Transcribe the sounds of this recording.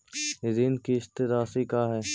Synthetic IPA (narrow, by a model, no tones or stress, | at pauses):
ɪziːnkiɪst̪ɪɾaːsikaɦɛː